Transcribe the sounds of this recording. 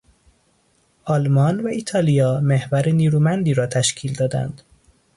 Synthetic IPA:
ʔɒlmɒːnvæiːt̪ʰɒːlijɒːmehvæɾeniːɾuːmænd̪iːɾɒːt̪ʰæʃcʰiːld̪ɒːd̪æ̰nd̪̥

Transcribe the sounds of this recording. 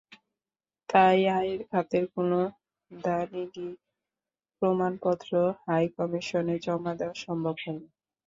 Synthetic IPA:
t̪ajaeɾkʰat̪eɾkono | d̪anidi | pɾomanpɔt̪ːɾohajkɔmiʃoned͡ʑɔmad̪eoaʃɔmbʱobɦɔjni

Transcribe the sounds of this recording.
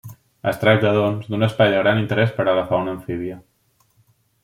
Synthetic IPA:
əst̪ɾak̪̚d̪əðonzd̪unəspajðəɣɾanint̪əɾɛspəɾəɣəfaunəɱfiβiə

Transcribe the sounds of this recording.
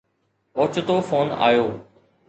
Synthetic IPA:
oːt͡ɕʊt̪ofoːna̰ːjoː

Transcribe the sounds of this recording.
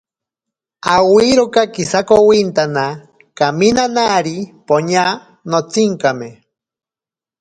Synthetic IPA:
awiɾokakisakowint̪ana | kaminanaɾipoɲa | not͡siŋkame

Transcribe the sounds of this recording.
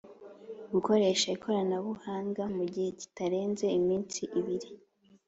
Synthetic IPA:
ɡuko̞ɾe̞ʃaikʰo̞ɾanaβuhaːŋɡamuɟihe̞ɟi̥taɾe̞ːnze̞imiːnsiʔiβiɾi

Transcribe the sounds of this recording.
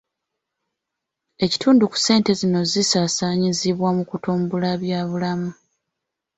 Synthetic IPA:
e̞ci̥tʰuːnduku̥se̞ːnte̞zino̞zisaːsaːɲiziβwamukutuːmbulaβjaːβulamu

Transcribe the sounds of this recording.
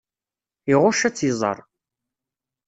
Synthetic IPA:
iʁʊʃæt͡sːizˤɑ̰ɾˤ

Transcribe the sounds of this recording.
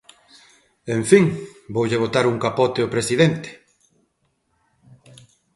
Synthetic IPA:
eɱfiŋbowʎeβ̞ot̪aɾuŋkapɔt̪eopɾesiðent̪e̥

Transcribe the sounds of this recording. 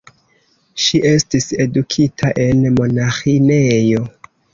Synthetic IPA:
ʃiʔe̞stise̞dukʰitʰaʔe̞nmo̞naxinejo̞

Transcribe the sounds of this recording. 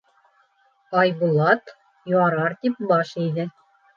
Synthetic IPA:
ɑjbulˠɑt̪ | joɑɾɑɾt̪ip̚bɑʃijðɘ

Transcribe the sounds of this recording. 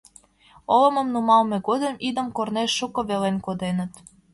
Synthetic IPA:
olə̆mə̆mnumɑlmĕɡod̪emid̪ə̆mkorneʃːukoβelenkod̪enə̆t̪

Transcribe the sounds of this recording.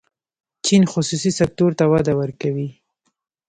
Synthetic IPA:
t͡ʃinxʊsusisak̚t̪oɾt̪awad̪awəɾkawi

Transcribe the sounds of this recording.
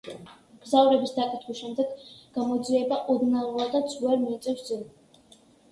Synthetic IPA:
ɡ̥zavɾɛbisd̪akʼit̪ʰχwisʃɛmd̪ɛɡɡ̥amɔd̪ziɛbaʔɔd̪nauɾad̪asʰuaɾmiit̪sʼɛfsd̪zɔl

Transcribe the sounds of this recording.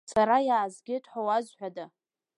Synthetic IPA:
saɾajaːzɡʲɪtʰʼħʷowazħʷᶣada

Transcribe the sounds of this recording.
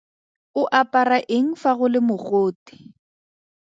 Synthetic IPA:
ʊʔapʼaraʔeŋ̩faɣʊlɪmʊɣoːtɪ̥

